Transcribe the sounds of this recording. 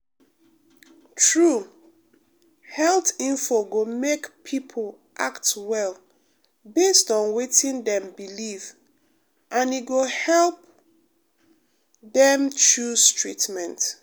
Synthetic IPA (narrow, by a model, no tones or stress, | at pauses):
tʰɹu | hɛlˠtĩnfɔɡomekpʰipʰl | ʔaktwɛl | bestɔ̃nwetĩndɛ̃mbiliv | ʔãniɡohɛlˠp̚ | dɛ̃mt͡ʃɹuztɹitmɛ̃nt